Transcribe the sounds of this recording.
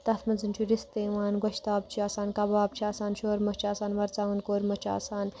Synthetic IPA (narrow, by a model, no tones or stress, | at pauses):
t̪ɐt̪ʰmɐnzɨnt͡ʃʰuɾist̪eːʋaːnɡʷɐʃt̪aːbt͡ʃʰiaːsaːnkɐbaːb̚t͡ʃʰiaːsaːnʃoːɾmɐt͡ʃʰaːsaːnʋɐɾt͡saːɡɐnkoːɾmɐt͡ʃʰa̰ːsaːn